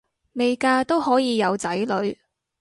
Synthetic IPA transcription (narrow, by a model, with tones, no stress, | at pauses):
me˨˧jkaː˧t̪o˥whɔː˨˥jiː˨˧jɐ˨˧wt͡sɐ˨˥jlɵ˨˧ɥ